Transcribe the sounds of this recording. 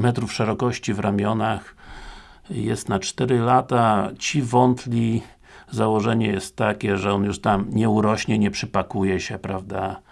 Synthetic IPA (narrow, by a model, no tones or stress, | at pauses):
mɛt̪ɾufʂɛɾɔkɔɕt͡ɕivɾamʲjɔnax | jɛst̪nat͡ʂt̪ɛɾɘlat̪at͡ɕivɔnt̪lʲi | zawɔʐɛɲɛjɛst̪ːakʲɛʐɛɔnjuʂt̪amɲɛuɾɔɕɲɛɲɛpʂɘpakujɛɕɛpɾavd̪a